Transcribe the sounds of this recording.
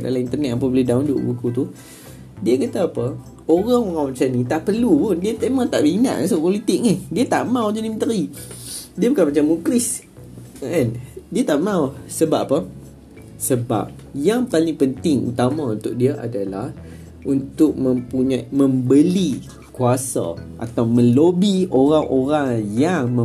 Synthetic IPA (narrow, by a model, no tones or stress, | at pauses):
da̰laint̪ərnɛt̪ap̬əbəlidaundʊ̰ʔbukut̪u | diəkat̪aapə | oɾaŋoɣawmat͡ʃanĩt̪aʔpərlupʊndiət̪əmãt̪a̰ʔmina̰ʔãsʊʔpolit̪ɪk̚nɪdiət̪a̰ʔmãwd͡ʒənimənt̪əɾi | diəbukanmat͡ʃamukɾis | ʔandiət̪aʔmãwsəbaʔpə | səba̰p̚ | jaŋpalɪŋpənt̪ɪŋṵt̪amãunt̪ʊʔ̚diəʔa̰dalah | ʔunt̪ʊk̚mə̃mpuɲamə̃mbəli | kuasa̰ʔa̰t̪awmə̃lobioɾaŋʔoɾaŋjaŋmə